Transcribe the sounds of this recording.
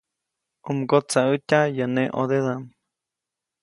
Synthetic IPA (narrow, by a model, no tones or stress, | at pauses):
umɡot͡saətʲajəneʔod̪eðam